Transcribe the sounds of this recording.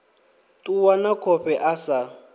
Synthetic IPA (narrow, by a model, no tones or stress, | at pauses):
tʼuwanakʰɔɸɛʔasa